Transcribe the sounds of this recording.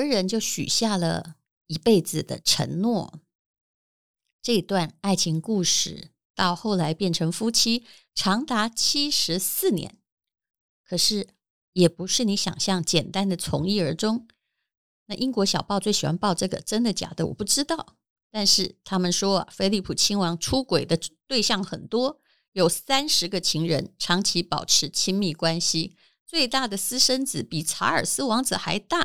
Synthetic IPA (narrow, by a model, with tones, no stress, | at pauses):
ə˧˥ɻə˧˥nt͡ɕjo˥˩ʊɕy̰˨˩ɕja˥˩lə̰˩ | i˧˥pe˥˩ɪd͡zɹ̩˩d̪ə̰˩ʈ͡ʂʰə̰˧˥ŋnwɔ˥˩ | ʈ͡ʂɤ˥˧i˧˥t̪wa˥˧na˥˩ɪt͡ɕʰi˧˥ŋku˥˧ʂɻ̩˥˩ | t̪ɑ˥˧ʊxo˥˩ʊla˧˥ɪpjɛ˥˩nʈ͡ʂʰɤ˧˥ŋfu˥t͡ɕʰi˥ | ʈ͡ʂʰɑ˧˥ŋt̪a˧˥t͡ɕʰi˥ʂɻ̩˧˥sɹ̩˥˩njɛ̰˧˥n | kʰɤ˨˩ʂɻ̩˥˩ | jɛ˨˩pu˧˥ʂɻ̩˥˩ni˧˥ɕjɑ̰˨˩ŋɕjɑ˥˩ŋt͡ɕjɛ˨˩nt̪a˥nd̪ə˨t͡sʰʊ̰˧˥ŋi˥˩ə˞˧˥ʈ͡ʂʊ˥ŋ | na˥˩ʔi˥ŋkwɔ˧˥ɕjɑ˨˩ʊpɑ˥˧t͡swe˥˩ɪɕi˨˩wa̰˥npɑ˥˧ʊʈ͡ʂɤ˥˩ɡə̰˩ʈ͡ʂə˥nd̪ə˨t͡ɕja̰˨˩d̪ə˦wɔ̰˨˩pu˥˩ʈ͡ʂɻ̩˥t̪ɑ˥˩ʊ | t̪a˥˧nʂɻ̩˥˩t̪ʰa˥mə˨nʂwɔ˥ɐ̰˨fe˥ɪli˥˩pʰu˨˩t͡ɕʰi˥ŋwɑ˧˥ŋʈ͡ʂʰu˥kwe˨˩ɪd̪ə˦t̪we˥˧ɪɕjɑ˥˩ŋxə˨˩nt̪wɔ˥ | jo˨˩ʊsa˥nʂɻ̩˧˥ɡə˧t͡ɕʰi˧˥ŋɻə˧˥nʈ͡ʂʰɑ˧˥ŋt͡ɕʰi˧˥pɑ˨˩ʊʈ͡ʂʰɻ̩˧˥t͡ɕʰi˥ŋmi˥˩kwa˥nɕi˧˥ | t͡swe˥˧ɪt̪a˥˩d̪ə˩sɹ̩˥ʂə˥nt͡sɹ̩˨˩pi˨˩t͡sʰa˧˥ə˞˨˩sɹ̩˥wɑ˧˥ŋt͡sɹ̩˨˩xa˧˥ɪt̪a˥˩